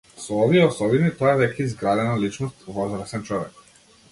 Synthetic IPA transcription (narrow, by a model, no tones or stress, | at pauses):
sɔɔviɛɔsɔbinit̪ɔɛd̪ɛkaizɡɾad̪ɛnalit͡ʃnɔst̪vɔzɾəsɛnt͡ʃɔvɛk